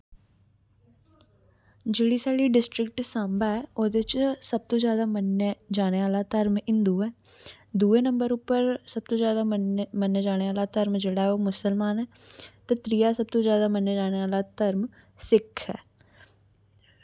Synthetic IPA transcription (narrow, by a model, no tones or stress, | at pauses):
d͡ʒeːɽiːsaːɽiːɖɪsʈɾɪkʈsãːmbaɦɛːoːd̪eɪt͡ʃsəb̚t̪õːzjaːd̪aːməned͡ʒaːneʋaːlaːt̪əɾmɪ̃nd̪uːɛː | d̪uːeːnə̃mbəɾʊpːəɾsəb̚t̪õːzjaːd̪amənːəd͡ʒaːneʋaːlaːt̪əɾmd͡ʒeːɽaːɛoːmʊsəlmaːnɦɛː | t̪eːt̪ɾijaːsəb̚t̪õːzjaːd̪aːmənːəd͡ʒaːneʋaːlat̪əɾm | sɪkʰɦɛ̰ː